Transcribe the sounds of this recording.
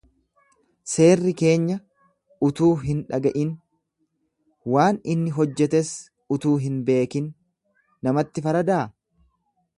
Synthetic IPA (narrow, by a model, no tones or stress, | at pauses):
se̞ːrːɪke̞ːɲːɐ | ʊt̪uːɦɪnᶑɐɡɐʔɪn | waːnɪnːɪɦɔd͡ʒːɛt̪ɛs | ʊt̪uːɦɪnbe̞ːkɪnː | ɐmɐt̪ːɪfɐɾɐd̪aː